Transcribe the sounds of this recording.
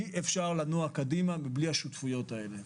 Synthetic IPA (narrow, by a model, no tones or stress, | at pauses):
iʔefʃaʁlanuakad̪imamiblihaʃutfujo̞tae̞le̞